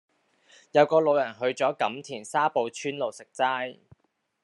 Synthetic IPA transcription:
jɐ˨˧wkɔː˧lo˨˧wjɐ˨˩nɦɵ˨˧ɥt͡sɔː˨˥kɐ˨˥mt̪ʰiː˨˩nsaː˥po˨˧wt͡ʃʰyː˥nlo˨wsɪ˨k̚t͡saː˥j

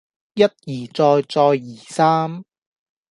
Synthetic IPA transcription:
jɐ˥t̚jiː˨˩t͡sɔː˧jt͡sɔː˧jiː˨˩saː˥m

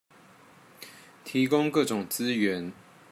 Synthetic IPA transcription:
t̪ʰi˨˥kʊ˥ŋkɤ˥˨ʈ͡ʂʊ˨˩ŋt͡sɹ̩˥ɥɛ˧˦n

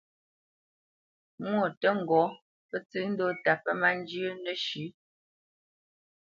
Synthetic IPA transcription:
mwo˦˨tə˦ŋ̩˨ɡɔ˨˦ | pə˦t͡sɨ˦n̩˦do˦ta˨pə˦ma˦n˦d͡ʒjə˦nə˦ʃi˨˦

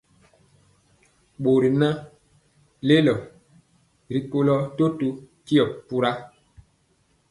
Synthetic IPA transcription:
ɓo˨ɾi˨nã˦ | le˦lɔ˨ | ɾi˨ko˦lɔ˦to˦tu˦ | ki˦ɔ˨pu˦ɾa˦

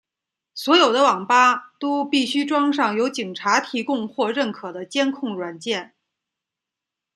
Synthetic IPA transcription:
swɔ˧˥jo˨˩ʊd̪ə˦wɑ˨˩ŋpa˥t̪o˥ʊpi˥˩ɕy˥ʈ͡ʂwɑ˥ŋʂ̬ɑ˥˩ŋjo˧˥ʊt͡ɕi˨˩ŋʈ͡ʂʰa˧˥t̪ʰi˧˥kʊ˥˧ŋxwɔ˥˧ɻə˥˩nkʰɤ˨˩d̪ə˦t͡ɕjɛ˥nkʰʊ˥˩ŋɻwa˨˩nt͡ɕjɛ˥˩n

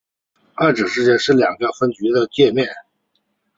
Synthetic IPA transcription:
a˥˩ʈ͡ʂɻ̩˨˩ʂɻ̩˥˧t͡ɕjɛ˥˧nʂɻ̩˥˩ljɑ˨˩ŋɡə˦fə˥nt͡ɕy˧˥d̪ə˧t͡ɕjɛ˥˧mjɛ˥˩n

